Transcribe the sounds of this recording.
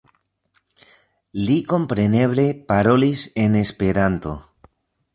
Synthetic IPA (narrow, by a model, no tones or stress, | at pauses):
liko̞mpɾe̞neβle̞paɾo̞lisene̞spe̞ɾant̪o̰